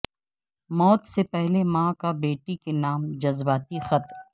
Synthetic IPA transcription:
mɔːt̪sepɛɦlemãːkabeːʈikenaːmd͡ʒɐzbaːt̪ixɐt̪ɾ

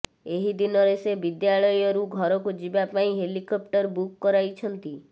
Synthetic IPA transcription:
eɦid̪inɔɾesebid̪jaɭɔjɔɾuɡʱɔɾɔkud͡ʒibapaĩɦelikɔp̚ʈɔɾbukːɔɾajt͡ʃʰɔnt̪i

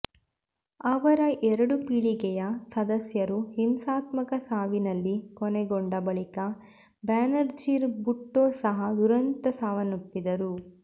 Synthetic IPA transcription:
ɐʋɐɾɐʔɛɾɐɽupiɭiɡɛjɐsɐd̪ɐsjɐɾuhimsaːt̪mɐkɐsaːʋinɐlːikɔnɛɡɔɳɖɐbɐɭikɐ | baːnɐɾd͡ʒiɾbuʈːoːsɐɦɐd̪uɾɐnt̪ɐsaːʋɐnupːid̪ɐɾu

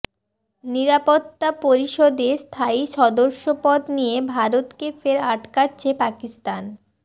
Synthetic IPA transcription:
niɾapot̪ːapoɾiʃod̪est̪ʰaiʃɔd̪oɾʃopɔd̪nijebʱaɾot̪kefeɾaʈkatːɕʰepakist̪an

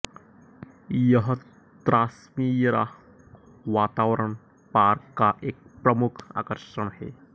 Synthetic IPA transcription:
jəɦə | t̪ɾʔaːsmijɾa̰ | ʋaːt̪aːʋɾəɳ | paɾkːaʔeːk̚pɾɐmukʰa̰ːkəɾʃəɳhḛ

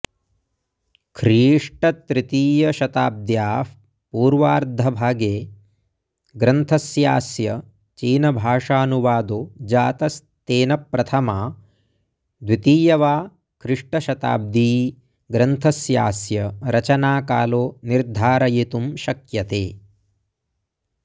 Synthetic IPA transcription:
kʰɾiːʂʈɐt̪ɾit̪iːjɐʃɐt̪aːb̚d̪jaː | puːɾʋaːɾd̪ʱɐbʱaːɡeː | ɡɾɐnt̪ʰɐsjaːsjɐ | t͡ʃiːnɐbʱaːʂaːnuʋaːd̪oːd͡ʒaːt̪ɐs | t̪eːnɐpɾɐt̪ʰɐmaː | d̪ʋit̪iːjɐʋaː | kʰɾiʂʈɐʃɐt̪a̰ːb̚d̪iː | ɡɾɐnt̪ʰɐsjaːsjɐɾɐt͡ʃɐnaːkaːloːniɾd̪ʱaːɾɐjit̪umʃɐkjɐt̪eː

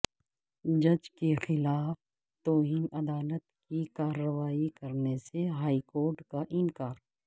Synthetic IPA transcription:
d͡ʒɐd͡ʒkexɪlaːf | t̪ɔːɦiːnɐd̪aːlət̪kikaːɾəʋaːikɐɾneseɦaːikoːɾʈkaʔɪnkaːɾ

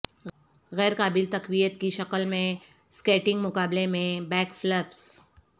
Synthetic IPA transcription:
ɣɛːɾkaːbɪlt̪ɐqwijət̪kiʃɐqəlmẽ | skeːʈɪ̃ŋɡmʊkaːblemẽbɛːkfləps

